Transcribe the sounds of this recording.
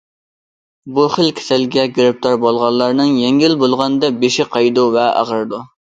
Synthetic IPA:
buχəlkʲʰe̥sɛlɡʲɛɡʲiɾɪp̚t̪ʰɑɾbolˠʁɑlˠːɑɾnɨŋjɛŋɡʲilbolˠʁɑnd̪ɛbeʃɪqʰɑjd̪uvɛɑ̰ʁəɾd̪u

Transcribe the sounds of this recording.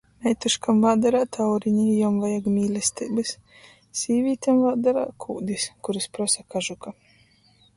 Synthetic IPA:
nɛjt̪uʃkamvaːd̪aɾaːt̪ʰawɾiɲijɔmvajaɡmʲiːlʲɛst̪ʲibɨs | siːvʲiːt̪ʲamvaːd̪aɾa̰ːkʰuːd̪iskuɾispɾɔsakaʒuka

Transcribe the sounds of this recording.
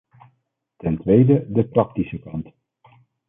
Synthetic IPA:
tɛntʋejdədəprɑk̚tisəkɑnt

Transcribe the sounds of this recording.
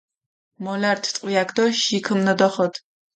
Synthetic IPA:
mɔlaɾt̪ʰt̪ʼqʼwiakʰd̪ɔʃikʰɨmnɔd̪ɔχɔt̪ʰ

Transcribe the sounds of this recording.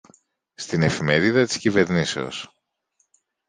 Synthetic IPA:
st̪ine̞fime̞ɾiðɐt̪i̥scive̞ɾnise̞o̞̰s

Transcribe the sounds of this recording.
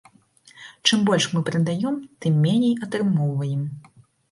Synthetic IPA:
t͡ʂɨmbɔlʲʂmɨpɾɨd̪ajɔmt̪ɨmːʲɛnʲejɐt̪ɾɨmɔwvɐjɛm

